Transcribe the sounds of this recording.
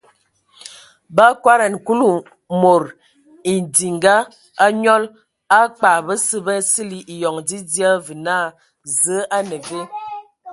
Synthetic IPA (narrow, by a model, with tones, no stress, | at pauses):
ba˦kwa˦ɾa˨n˨ku˦lu˨ | mo˨ɾ | i˨di˨ŋɡa˦ | a˦ɲɔ˦l | a˦k͡pa˨bə˦sə˦bə˦si˦li˨ʔi˨jɔ˨ŋdi˦di˦a˦vɨ˨na˦˨ | zə˨˦ʔa˦nə˨ve˦